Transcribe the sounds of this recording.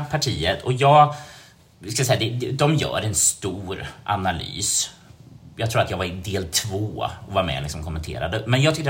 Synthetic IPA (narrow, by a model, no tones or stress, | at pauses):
pʰaʈʰiːət̪ʰɔjɑːɡ | ɪskajsɛjad̪ɛd̪ɛd̪ɔmjœ̰ːɾɛnst̪uːɾʔanaly̰ːs | jɑːɡt̪ʰɾuːɾat̪jɑːɡvaɾɪd̪eːlt̪ʰvoːɔvaɾmɛ̰lɪksɔmkʰɔmːɛnt̪ʰḛːɾa̰d̪əmɛnjɑɡt̪ʰʏkːə